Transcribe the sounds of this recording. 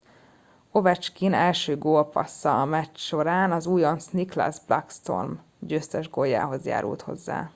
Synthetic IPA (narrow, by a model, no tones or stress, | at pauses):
o̞vɛt͡ʃkinɛlʃøːɡoːlpɒ̰sːɒɒmɛt͡ʃʃo̞ɾaːnɒzuːjonsnikla̰zblɒkst̪o̞̰rm | d͡ʒøːst̪ɛʒɡojːa̰ːɦo̞zja̰ːɾṵlt̪ho̞̰zːa̰ː